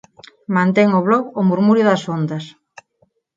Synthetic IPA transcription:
mãnt̪eŋʊβlɔɣʊmuɾmuɾjʊðɐsond̪ɐs

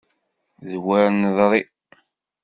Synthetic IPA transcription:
ðwaɾnðɾˤi

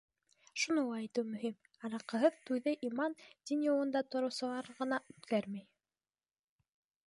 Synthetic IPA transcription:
ʃunulˠɑjt̪uwmɵɦim | ɑɾɑqɤ̆ɦɤðt̪ujðɘʔimɑnd̪ʲinʲjolˠɤ̆nd̪ɑt̪oɾŏwsɤlˠɑɾʁɤ̆nɑʔʉt̪kæɾmæj

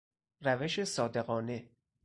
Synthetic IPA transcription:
ræveʃesɒːd̪e̞ɣɒːne̞

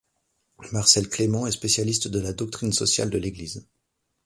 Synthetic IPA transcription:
maʁsɛlklemɑ̃ɛspesjalist̪d̪əlad̪ɔk̚t̪χinsɔsja̰ld̪əleɡliz

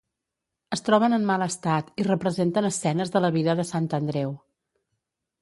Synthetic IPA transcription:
əst̪ɾɔβənəmmaləst̪at̪irəpɾəzent̪ənəsːɛnəzðələβiðəðəsant̪ənd̪ɾɛw

